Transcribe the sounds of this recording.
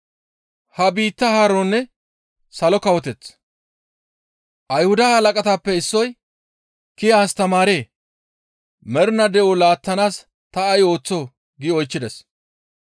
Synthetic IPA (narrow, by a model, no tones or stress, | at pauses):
hɐbiːt̪ːɐhaɾoːnːɛ | sɐlɔkɐwɔt̪ɛt͡sː | ʔɐjhʊd̪ɐhɐlɐkʼɐt̪aːpːɛɪsːɔj | kɪjaːst̪ɐmaːɾe̞ː | mɛɾʊnɐd̪ɛolaːt̪ːɐnaːs | t̪ɐɐjo̞ːt͡sːoː | ɡɪɔjt͡ʃːɪd̪ɛs